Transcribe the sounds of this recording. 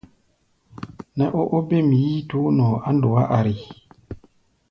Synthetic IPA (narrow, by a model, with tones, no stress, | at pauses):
nɛ˨ʔo˦ʔo˦be˦mi˨ji˦tu˦nɔ˨a˦ndo˨wa˦ʔa˨ɾi˨